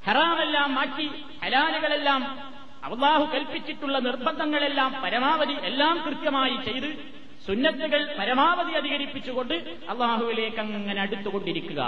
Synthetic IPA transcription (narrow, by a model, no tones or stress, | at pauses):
hɐraːmelːaːmːaːʈːi | hɐlaːlɐɣɐɭe̞lːaːm | ɐ̰ʋɐlˠˤːaːhukeːlpit͡ɕːiʈːuɭːɐnirbʱɐnd̪ɐŋːɐɭelːaːmpɐɾɐmaːʋɐðiʔelːaːmkrɨt̪jɐmaːjit͡ɕe̞jt̪ɨ | sunːɐt̪ːuɣɐɭpɐɾɐmaːʋɐðiɐðiɣɐɾipːit͡ɕːuɣo̞ɳɖɨ | ɐ̰lˠˤːaːɦuʋile̞ːkːɐŋːɐne̞ɐɽut̪ːuɣo̞ɳɖiɾikʲːuɣɐ̰